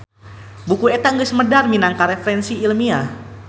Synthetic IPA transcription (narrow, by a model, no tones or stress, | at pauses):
bukuet̪aŋɡəsəmədarminaŋkaɾefəɾɛnsiːlmia